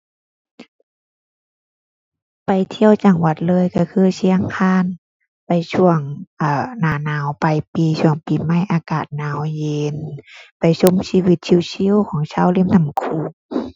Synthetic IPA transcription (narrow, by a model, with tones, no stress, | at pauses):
pa˨˩jt̪ʰi˧˨ə˨wt͡ɕa˨˩ŋwa˧t̪̚lɤː˧˥˨jka˧˩kʰɯː˧˨si˧˥ə˧ŋkʰaː˧˥˨n | pa˨jsʰu˧˩əŋʔaː˧˩naː˨˧˦naː˨˦wpa˨˧jpiː˨˧su˧˩əŋpiː˨ma˧˥˩jʔaː˧kaː˨˩t̪̚naː˨˦wje˧npa˨jso˧˥˨msiː˧˨wi˧˦t̪̚t͡ɕʰi˧˨wsʰi˧˥˨wkʰɔː˨˦ŋsʰaː˧˥˨wli˧˥˨mnʰa˧˩˦mkʰuː˧˩